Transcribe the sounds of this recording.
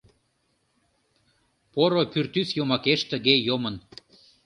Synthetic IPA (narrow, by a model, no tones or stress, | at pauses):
poɾopyrt̪ysjomɑkeʃt̪ə̆ɣejomə̆n